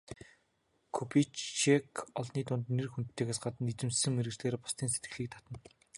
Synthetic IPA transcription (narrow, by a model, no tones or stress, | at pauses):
kʰupʰit͡ɕt͡ʃekɔɮniːt̪ʊnt̪nːerxuntt̪ʰːeːɣeːsɢat̪ə̆nit͡sɘ̆msɘ̆ŋmeɾɘ̆ɣt͡ɕɮeːrpʊ̥st̪iːnset̪̚ɡɘ̥̆ɮiːk̚t̪ʰḁt̪ə̆n